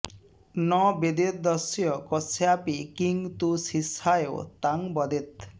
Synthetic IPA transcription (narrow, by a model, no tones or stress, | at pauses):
nɔbed̪ed̪ɔsijɔkɔsejapikiŋt̪usisajeo̰t̪aŋbɔd̪et̪̚